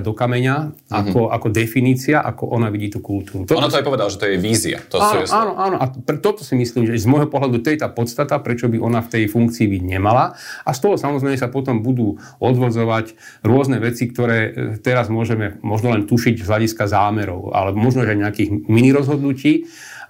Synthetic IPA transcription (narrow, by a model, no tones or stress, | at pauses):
d̪ɔkamɛɲa | ʔakɔakɔd̪ɛfiniːt͡siaʔa̰kɔ̰ʔɔnaʋiɟiːt̪ukult̪uːɾut̪ɔɔnat̪ɔajpɔʋɛd̪alaʒɛt̪ɔjɛʋiːzia̰t̪ɔaːnɔaːnɔʔaːnɔʔapɛt̪ɔt̪ɔsimisliːmʒɛzmɔjɦɔpɔɦlad̪ut̪ɔjɛt̪aːpɔt̪st̪at̪apɾɛt͡ʃɔbiʔɔnaft̪ɛjfuŋkt͡siːbiɟɲɛmalaast̪ɔɦɔsamɔzɾɛɪmɛsapɔt̪ɔmbud̪uː | ɔd̪ʋɔd͡zɔʋac | ɾʊɔznɛʋɛt͡sik̚t̪ɔɾɛːt̪ɛɾazmʊɔʒɛmɛmɔʒnɔlɛnt̪uʃiɟzɦlaɟiskazaːmɛɾɔ̰ʊa̰lɛbɔmɔʒnɔʒɛajɲɛakiːɣminiɾɔzɦɔd̪nuciː